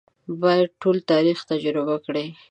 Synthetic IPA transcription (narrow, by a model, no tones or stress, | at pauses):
bɑjad̪̚ʈolt̪ɑɾixt̪ad͡ʒɾɪbakɽe